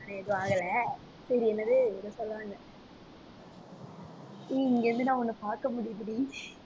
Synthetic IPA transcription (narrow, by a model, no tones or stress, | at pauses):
nɐɛðɯʋaːɣɐlɐ | sɐɾiɛnːɐðɯɛðɐsɔlːʋaːŋɡɐ | iɪŋɡeɾɯnd̪ɯnãːɔnːɯpaːɾkɐmʊɽɪjɐp̬ːɪɽi